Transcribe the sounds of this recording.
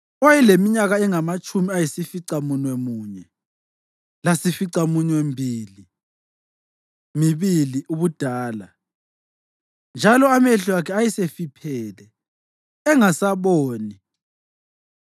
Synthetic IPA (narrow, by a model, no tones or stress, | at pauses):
ɔjɛlemiɲaɣaɛŋamat͡ʃʼʰumiajisifiǀamunwemuːɲɛ | lasifiǀamuɲɛwembʱiːli | miβiliuβud̥ʱaːla | nd͡ʒʱalɔameɬuakʰɛajisefipʰɛːlɛː | ŋasaβoːni